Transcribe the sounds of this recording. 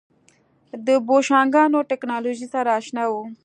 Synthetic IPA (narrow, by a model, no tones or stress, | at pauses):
d̪əboʃɑːŋɡɑːnoʈeknɑːloʒisaɾaːʃnawo